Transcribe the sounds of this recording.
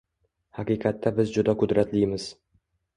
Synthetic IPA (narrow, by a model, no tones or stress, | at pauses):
haqijqʰɑt̪ʰːabɪzd͡ʒʊd̪aqʊd̪ɾat̪lijmɪz̥